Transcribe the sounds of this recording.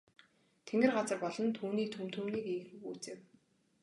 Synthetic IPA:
t̪ʰeŋɡɘ̆rɢat͡sə̆rpɔɮɞ̆nt̪ʰuːniːk̚t̪ʰɵmt̪ʰumniːkiːxɘxuːt͡seːw

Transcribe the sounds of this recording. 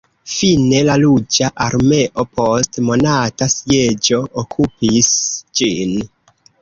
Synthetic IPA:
fine̞lalud͡ʒaʔaɾme̞ʔo̞pʰo̞stmo̞natasje̞d͡ʒo̞ʔːkʰupisd͡ʒin

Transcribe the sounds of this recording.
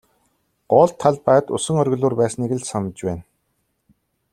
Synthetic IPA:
ɢ̥ɔːɮt̪ʰːaɮpæːt̪ʊsə̆ŋœɾʲɣ̆ɮuːrpæːsniɣɘ̆ɮsɔmə̆t͡ɕpæːn

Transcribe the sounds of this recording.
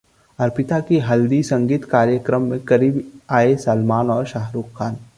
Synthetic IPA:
ɐɾpɪt̪akiɦɐld̪isɐ̃ŋɡiːt̪kaːɾjəkɾəmːẽkɐɾiːbaːesɐlmaːnɔːɾʃaɦɾuːkkʰːaːn

